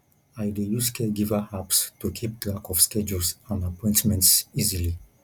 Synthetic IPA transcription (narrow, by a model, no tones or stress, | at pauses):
ajdejuskʰɛɡivahapstukʰip̚tlakɔfskɛd͡ʒulsãnapɔ̃j̃ntmɛ̃ntsizili